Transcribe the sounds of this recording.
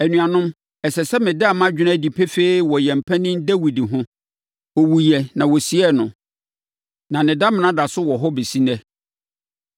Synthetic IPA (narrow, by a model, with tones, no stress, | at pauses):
æ˨nũ˨a˨nʊ̃˦m | ɛ˨sɛ˨sɛ˦mɪ̃˨dɪ˦a˨mã˦d͡ʑᶣɪ˦nã˦˨di˨pʰɛ˦fe˦i˦wɔ˨jɛ˨m̩˨pʰɛ̃˦nɪ̃˦ndæ˦wi˨di˨ɦʊ̃˦ | ɔ˨wu˨jɛ˨nã˨wɔ˨si˦ɛ˦nʊ̃˨ | nã˨nɪ̃˨da˦mɪ̃˨nã˦da˨sʊ˦wɔ˨ɦɔ˦be˨si˦nɛ˦